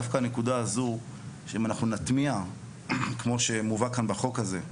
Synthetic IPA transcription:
afkanekudaːzu | ʃeimanaχnunat̪mia | kmo̞ʃe̞muvakanbaχo̞khaze̞

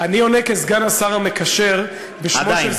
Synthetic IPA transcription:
anionekezɡanasaʁamekaʃeʁ | beʃoɛ

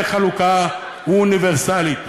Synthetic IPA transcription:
χaluka | uːniveʁsalit̪

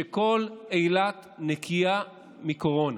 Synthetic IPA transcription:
eko̞lejlat̪nekʰia | miko̞ʁo̞na

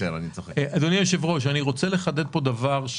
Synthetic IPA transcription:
ela̰nit͡soχeʔad̪onioʃevʁo̞ʃ̬aniʁo̞t͡sele̞χad̪ed̪̚po̞d̪avaʁʃ

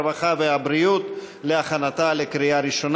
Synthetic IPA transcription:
vaχaveabɾijut̪ | leaχanat̪alekɾiaɾiʃo̞n

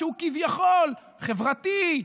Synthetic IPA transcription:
ukivjaχol | χevʁat̪i

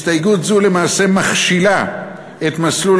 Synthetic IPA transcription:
stajɡutzule̞maːse̞maχʃila | et̪maslul

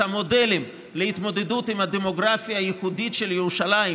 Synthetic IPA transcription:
amo̞de̞lim | lehit̪mo̞d̪e̞d̪utimhad̪emo̞ɡʁafjaːjiχuditʃeljeʁuʃalai

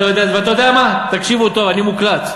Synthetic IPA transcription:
ojd̪eaveat̪aod̪ejamat̪akʃivut̪ovanimuklat̪

